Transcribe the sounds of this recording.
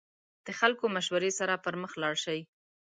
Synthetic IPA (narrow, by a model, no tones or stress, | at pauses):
d̪̥əxalkomaʃwaɾesaɾapəɾməxlɑɽʃawi